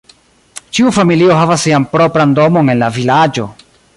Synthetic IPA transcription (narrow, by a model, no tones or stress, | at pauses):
t͡ʃiufamilio̞ɦavasːianpɾo̞pɾando̞mo̞ne̞nlavilad͡ʒo̞